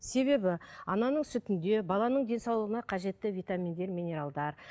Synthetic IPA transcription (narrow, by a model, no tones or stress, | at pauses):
se̞βe̞bɪɑnɑnəɴsʏt̪ɪnd̪e̞bɑlˠɑnəɴd̪e̞nsɑwlˠəʁənɑqʰɑʒe̞t̪ːɪvijt̪amʲind̪e̞ɾmijne̞ɾalˠd̪ɑɾ